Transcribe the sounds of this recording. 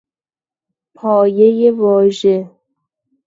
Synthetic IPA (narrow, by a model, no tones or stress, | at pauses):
pʰɒːjejevɒːʒe